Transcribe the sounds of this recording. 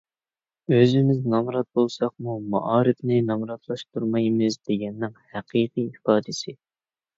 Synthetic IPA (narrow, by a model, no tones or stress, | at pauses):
øzɪmɪznɑmɾɑt̪̚bolˠsɑq̚mumɑ̰ʔɑːɾɪfnɪnɑmɾɑt̪ʰlˠɑʃt̪ʰuɾmɑjmɨzd̪eɡʲɛnːɪŋhæqʰijqijifɑːd̪ɪsɪ